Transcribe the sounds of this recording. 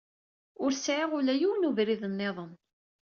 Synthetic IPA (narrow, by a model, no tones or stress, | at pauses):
ʊɾsʕɪʁʊlæjuwnuvɾiðənːeðˤən